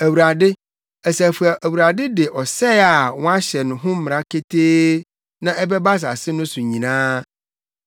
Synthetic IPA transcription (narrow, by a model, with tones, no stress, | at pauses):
æ˨wu˨ɾa˨dɪ˦ | æ˨sæ˨fu˨a˨ʔæ˨wu˨ɾa˨dɪ˦dɪ˨ʔɔ˨sɛ˦a˨wɔ̃˦a˦ɕɛ˨nʊ̃˨ɦʊ̃˦m̩˦mɪ̃˨ɾa˦kʰe˦tʰeː˦ | nã˦ʔɛ˦bɛ˦ba˦s̬a̰˨sɪ˦nʊ̃˦sʊ̃˨ɲĩ˨nãː˦